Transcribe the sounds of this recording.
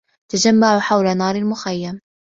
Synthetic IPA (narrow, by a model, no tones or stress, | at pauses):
t̪ad͡ʒamːaʕʊħawlanɑːɾˤalmʊxajːam